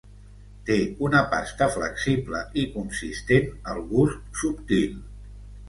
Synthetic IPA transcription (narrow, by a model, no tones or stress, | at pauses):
t̪eunəpa̰st̪əflə̰ksiblə̰ikunsist̪enəlˠɣust̪supt̪il